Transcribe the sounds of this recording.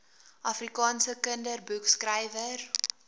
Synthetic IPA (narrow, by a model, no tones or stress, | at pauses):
ʔɐfrikɑːnsəkəndərbukskrɛjvər